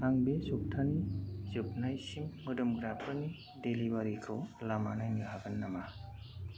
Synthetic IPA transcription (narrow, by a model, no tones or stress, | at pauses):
aŋbesup̚tʰanizɯp̚najsimːɯdɯmɡɾapʰɯɾni | delibaɾikʰɯwlamanajnɯɦabɯnːama